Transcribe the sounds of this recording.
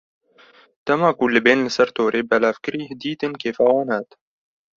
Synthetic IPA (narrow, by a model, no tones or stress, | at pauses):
d̪̥ɛmɑːkulɨbeːnlɨsɛɾt̪ʰoːɾʔeːbɛlaːvkɨɾiːd̪iːt̪ɨnkʰeːfaːwɑːnaːt̪